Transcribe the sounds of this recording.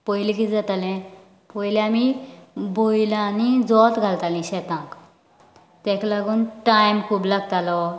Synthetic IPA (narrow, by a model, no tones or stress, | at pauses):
pɔjlikit͡sd͡zat̪alɛ̃ | pɔjlɛamibojlãnid͡zɔt̪ɡʱalt̪alĩɕɛt̪ãk | t̪ɛ̃klaɡuːnʈajmkʰuːblaɡt̪alɔ